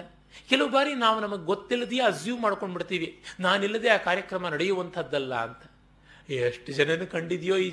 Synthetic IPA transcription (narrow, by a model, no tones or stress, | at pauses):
kɛlɐʋbaːɾinaːʋunɐmɐɡeɡot̪ːilːɐd̪eɐd͡ʒjuːmaːɽko̞ɳɖbiɽt̪iːʋinaːnilːɐd̪eaːkaːɾjɐkɾɐmɐnɐɽɛjuʋɐnt̪ʰɐd̪ːɐlːɐːnt̪ɐ | eʂʈd͡ʒɐnɐnːukɐɳɖid̪ijoːiː